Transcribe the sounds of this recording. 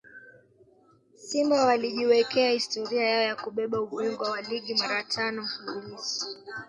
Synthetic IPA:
simbawaliʄiwɛkɛahistɔɾiajaɔjakuɓɛɓauɓwɛŋɡwawaliɠimaɾatʰanɔfulisi̥

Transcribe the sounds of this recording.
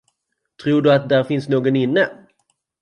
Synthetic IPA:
t̪ʰɾuːɖɵat̪̚d̪æɾfɪnsnoːɡɔnɪnːə

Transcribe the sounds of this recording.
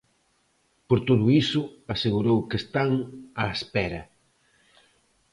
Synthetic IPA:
poɾt̪oðʊisʊaseɣuɾowkest̪aŋaespɛɾɐ

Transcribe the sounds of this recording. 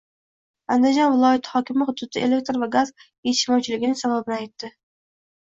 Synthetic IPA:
and̪ɪd͡ʒɒnvɪlˠɒjat̪ʰɪ̥hɒkʲɪmɪχʊd̪ːʊt̪ʰɪʔe̞le̞k̚t̪ɾvaɡaz | et̪ɪʃmɒwt͡ʃʰɪlɪɡʲɪnɪsababɪnɪajt̪ːɪ

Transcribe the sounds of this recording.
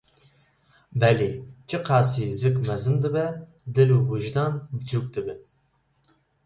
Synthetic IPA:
bɛleːt͡ʃʰɨqʰɑːsiːzɨkmɛzɨnd̪ɨbɛ | d̪ɨluːbuʒd̪ɑnd͡ʒuk̚d̪ɨbɨn

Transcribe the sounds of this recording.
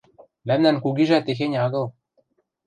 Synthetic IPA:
mæmnænkuɡiʒæt̪ex̬eɲʲɑɡɤ̆lˠ

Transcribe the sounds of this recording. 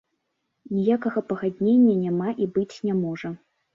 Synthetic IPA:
nʲijakɐɣɐpɐɣad̪ʲnʲenʲːɐnʲamaʔibɨt͡sʲnʲamɔʐɐ

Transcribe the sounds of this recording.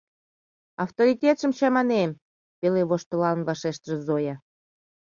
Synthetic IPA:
ɑft̪oɾʲitʲet̪ʃə̆mt͡ɕɑmɑnem | peleβoʃt̪ə̆lɑnβɑʃeʃt̪əʒə̆zojɑ

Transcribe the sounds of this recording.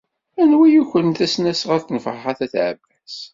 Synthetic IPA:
ænwijuçʷənt̪æsnæsʁæɾθnfʁχæθæθʕə̰bːæs

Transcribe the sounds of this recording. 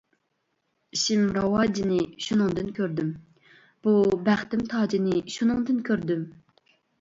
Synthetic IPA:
ʃimɾɑwɑːd͡ʒinɪʃunɨŋd̪ɨnkʲøɾd̪ym | b̥ubæχt̪ɪmt̪ʰɑːd͡ʒinɪʃunɨŋd̪ɨnkʲʰøɾd̪ym

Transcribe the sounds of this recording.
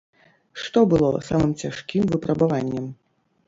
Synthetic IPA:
ʂt̪ɔbɨlˠɔsamɨmt͡sʲaʂkʲimvɨpɾɐbavanʲːɐm

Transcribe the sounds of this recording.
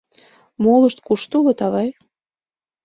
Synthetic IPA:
moləʃt̪kuʃt̪ulŏt̪ɑβɑj

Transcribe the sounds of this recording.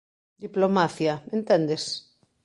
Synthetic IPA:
d̪iplomaθjaẽnt̪end̪es

